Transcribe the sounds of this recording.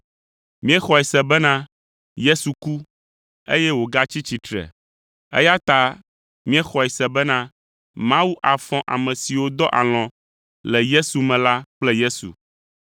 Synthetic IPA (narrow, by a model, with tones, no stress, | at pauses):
mĩ˦ɛ˦xɔ˨ɛ˨sɛ˨bɛ˦nã˦ | je˦su˨ku˦ | ḛ˦jɛ˦wo˨ɡa˦t͡ɕi˦t͡ɕi˨t̪ɾɛ̰˨ | ɛ̰˦ja˦t̪a˦ | mĩ˦ɛ˦xɔ˨ɛ˨sɛ˨bɛ˦nã˦ | mã˦wu˦ʔa˨fɔ̃˦ʔa̰˨mɛ̃˨si˨wo˦d̪ɔ˦ʔa̰˨l̃ɔ̃˨ | lɛ˨je˦su˨mɛ̃˨la˦k͡plɛ˦je˦sṵ˨